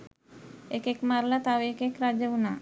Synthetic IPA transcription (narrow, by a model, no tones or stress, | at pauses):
ekekmaɾlat̪aʋeekekɾad͡ʒəuna